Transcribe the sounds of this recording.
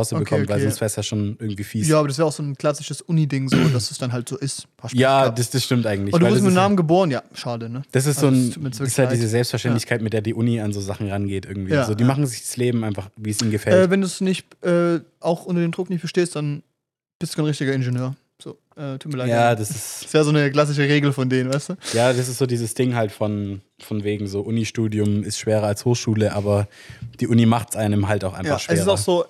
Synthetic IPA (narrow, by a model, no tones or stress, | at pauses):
aʊsəbəkʰɔmənvaɪlzʊnsfɛɐsjaʃoːnʔɪɐɡŋ̩tv̥iːfiːjaːaːbɐɾas̬veːʁaʊz̥oːnkl̥asɪʃəsʔʊnidɪŋzoːdassd̥asd̥anɦaltz̥oːʔɪsthasjjaːdasd̥asʃtɪmtʔaɪɡŋ̩tlɪabɐduvɪsmɪnaːmənɡəboːʁənjaːʃaːdənəd̥as̬ɪstzoːnuːtmiɐt͡sɪsthaldiːzzəzɛlpstfɛɐʃtɛntlɪçkʰaɪtmɪt̚d̥eːɐdiːʔʊnianzoːzaχn̩ʁanɡeːtʔɪɐɡŋ̩tv̥jiːzoːdiːmaχn̩zɪçd̥asleːbm̩ʔaɪnfaχviːəsʔiːmɡəfɛɛːvɛnduːsnɪçtʔɛːʔaʊxʔʊntɐdeːmdʁʊknɪçt̚b̥əʃteːst̚d̥an | b̥ɪstd̥uːaɪnʁɪçtɪɡɐɪnʒənøːɐ | z̥o̰ː | ʔɛːtʰuːt̚miːɐlaɪjaːdasɪssv̥eːzoːnəkl̥as̬ɪʃ̬əʁeːɡl̩fɔndeːnnvaɪstuːjaːdas̬ɪstz̥oːdiːzəsd̥ɪŋɦaltfɔn | fɔnveːɡŋ̩zoːʔʊniʃtuːdiʊmɪstʃv̥eːʁɐalshoːχʃuːləʔaːbɐ | d̥iːʔʊnimaχtsʔaɪnəmɦaltaʊxaɪfaχʃveːʁsaʊxz̥oː